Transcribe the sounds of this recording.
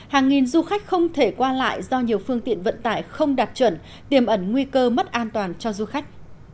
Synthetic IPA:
haː˨˩ŋːi˨˩nzu˧xa˦˥jk̟̚xə˧wŋ͡mt̪ʰe˧˩kwaː˧la̰ː˧˨jzɔ˧ɲi˨˩əwfɨ˧əŋt̪ḭ˧˨ənvə̰˧˨nt̪aː˧˩jxə˧wŋ͡mɗaː˨˩p̚t͡ɕwə˧˩n | t̪i˨˩əmʔə˨˧˩nŋwi˧kəː˧mə˦˥t̚ʔaː˧nt̪waː˨˩nt͡ɕɔ˧zu˧xa˦˥jk̟̚

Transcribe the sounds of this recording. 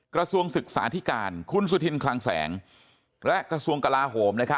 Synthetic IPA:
kɾa˧su˧əŋsɯ˨˩k̚sa̰ː˩˦t̪ʰi˦˥kaː˧nkʰu˧nsu˧˩t̪ʰi˧nkʰlaː˧ŋsɛ̰ː˩˦ŋ | lɛ˦˥kɾa˧su˧əŋka˧laː˧ɦoː˩˦mna˦˥kʰa˦˥

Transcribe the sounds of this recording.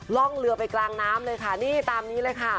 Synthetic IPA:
lɔ˥˩ŋlɯ˧əpa˧jklaː˧ŋnaː˦˥mlɤː˧jkʰa˥˩niː˥˩t̪aː˧mniː˦˥lɤː˧jkʰa˥˩

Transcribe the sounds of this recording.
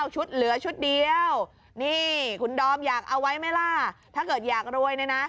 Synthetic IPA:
wt͡ɕʰu˦˥t̪̚lɯ˨˩˦ɐt͡ɕʰu˦˥t̪̚di˧əw | niː˥˩kʰu˧ndɔː˧mjaː˨˩k̚ʔa˧wːa˦˥jma˥˩jlaː˥˩t̪ʰaː˥˩kɤː˨˩t̪̚jaː˨˩k̚ɾu˧əjna˧˥jna˦˥

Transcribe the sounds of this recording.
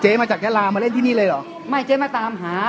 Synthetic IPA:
t͡ɕeː˦˥maː˧t͡ɕaː˨˩k̪̚ʰɛː˥˩laː˧maː˧le˥˩nt̪ʰiː˥˩iː˥˩lɤː˧jlɔː˨˩k | ma˥˩jt͡ɕeː˧˦˥maː˧t̪aː˧mɦaː˩˦

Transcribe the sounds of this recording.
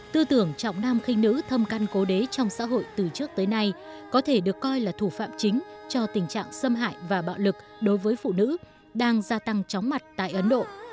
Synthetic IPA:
t̪ɨ˧t̪ɨ˧˩əŋt͡ɕɔ̰˧˨wŋ͡mnaː˧mxï˧ŋ̟nɨ̰˧˥t̪ʰə˧mka˧nko˨˦ɗe˨˦t͡ɕɔ˧wŋ͡msa̰ː˧˥ɦo̰˧˨jt̪ɨ˨˩t͡ɕɨ˦˥ək̚t̪əː˨˦jna˧j | kɔ˨˦t̪ʰe˧˩ɗɨ˨˩əkːɔ˧jlaː˨˩t̪ʰu˧˩fa̰ː˧˨mt͡ɕï˨˦ŋ̟t͡ɕɔ˧t̪ï˨˩ŋ̟t͡ɕa̰ː˧˨ŋsə˧mɦa̰ː˧˨jvaː˨˩ɓa̰ː˧˨wlɨ˨˩k̚ɗo˨˦jvəː˨˦jfṵ˧˨nɨ̰˧˥ | ɗaː˧ŋzaː˧t̪a˧ŋt͡ɕɔ˨˦wŋ͡mma˨˩t̚t̪a̰ː˧˨jʔə˨˦nɗo̰˧˨

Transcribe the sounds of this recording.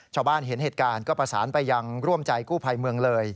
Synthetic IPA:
t͡ɕʰaː˥˩wbaː˥˩nɦe˩˦nɦeː˨˩t̪̚kaː˧nkɔː˥˩pɾa˧sa̰ː˩˦npa˧jːa˧ŋɾu˥˩əmt͡ɕa˧jkuː˥˩pʰa˧jmɯ˧əŋlɤː˧j

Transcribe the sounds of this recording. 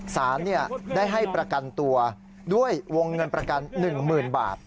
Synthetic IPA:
saː˩˦nːi˥˩ɐdaː˥˩jɦa˥˩jpɾa˧ka˧nt̪u˧ɐ | du˥˩əjwo˧ŋːɤ˧npɾa˧ka˧nːɯ˨˩ŋmɯː˨˩nba̰ː˨˩t̪̚

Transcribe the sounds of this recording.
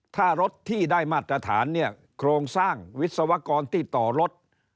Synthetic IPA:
t̪ʰaː˥˩ɾo˦˥t̪ʰːiː˥˩daː˥˩jmaː˥˩t̪ːɾa˧t̪ʰaː˩˦nːi˥˩ɐ | kʰɾoː˧ŋsaː˥˩ŋwi˦˥t̪̚sa˧wa˦˥kɔː˧nt̪ʰiː˥˩t̪ɔː˨˩ɾo˦˥t̪̚

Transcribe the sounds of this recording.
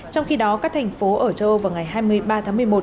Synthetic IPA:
t͡ɕɔ˧wŋ͡mxi˧ɗɔ˨˦kaː˦˥k̚t̪ʰŋ̟fo˨˦ʔəː˧˩t͡ɕə˧ʔvaː˨˩wŋa˨˩jjɦaː˧jmɨ˧əjɓaː˧t̪ʰaː˨˦ŋmɨ˨˩əjmo˨˩t

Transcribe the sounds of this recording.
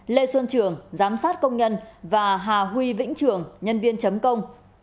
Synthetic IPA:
le˧swə˧nt͡ɕɨ˨˩əŋzaː˨˦msaː˦˥t̚kə˧wŋ͡mɲə˧nvaː˨˩ɦaː˨˩ɦwi˧vḭ˧˥ŋ̟t͡ɕɨ˨˩əŋɲə˧nvi˧ənt͡ɕə˨˦mkə˧wŋ͡m

